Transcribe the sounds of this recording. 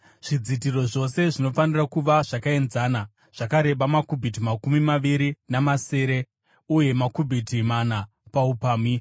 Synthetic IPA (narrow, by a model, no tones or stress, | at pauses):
ʐ̥id͡zit̬iro̞ʐo̞se̞ʐino̞fanirakuʋaʐ̥akae̞nzaːna | ʐ̥akaɾe̞ɓamakubʱit̬imakumimaʋiɾinamase̞ːɾe̞ | uje̞makubʱitimana | paupaːmi